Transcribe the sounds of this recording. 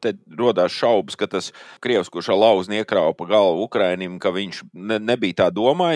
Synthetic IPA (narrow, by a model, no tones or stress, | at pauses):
t̪ɛɾuɔd̪aːsʃawbɨskat̪askɾiɛwskuʃalˠɑwzniɛkɾawpaɡalˠvukɾajnimkaʋiɲʃnnebijt̪aːd̪uɔmaːj